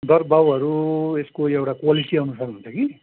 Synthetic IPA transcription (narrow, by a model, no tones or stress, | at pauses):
d̪ʌrbawɦʌɾueskoewʈakwalisiʌnusakunt͡sʰʌki